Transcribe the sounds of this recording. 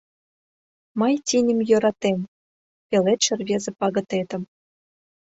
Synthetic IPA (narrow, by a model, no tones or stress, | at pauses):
mɤjt̪ʲinʲə̆mjø̆ɾɑt̪em | pʲelet̪ʃɘ̆rβʲezĕpɑɣɤ̆t̪et̪ə̆m